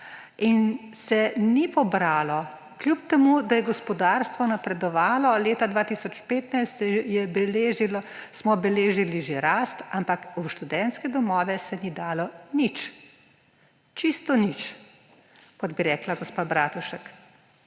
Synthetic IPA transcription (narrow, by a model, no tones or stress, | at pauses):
insɛnipɔbɾaːlɔ | klʲjupt̪ɛmud̪ajɛɡɔspɔd̪aːɾst̪ʋɔnapɾɛd̪ɔʋaːlɔleːt̪ad̪ʋaːt̪isɔt͡ʃpeːt̪najst̪jɛbɛleʒilɔsmɔbɛleːʒiliʒeɾaːst̪ampakuʃt̪ud̪ɛnt̪skɛd̪ɔmɔːʋɛsɛnid̪aːlɔnit͡ʃ | t͡ʃist̪ɔnit͡ʃ | kɔd̪biɾɛːklaɡɔspaːbɾaːt̪uʃək